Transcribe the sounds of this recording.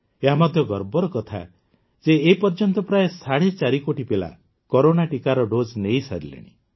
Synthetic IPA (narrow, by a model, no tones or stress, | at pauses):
eɦamɔd̪ʱjɔɡɔɾbɔɾɔkɔt̪ʰa̰ | d͡ʒeːipɔɾd͡ʒɔnt̪ɔpɾaesaɽet͡ʃaɾikoʈipela̰ | kɔɾonaʈikaɾɔɖod͡ʒnejsa̰ɾilḛɽ̃ḭ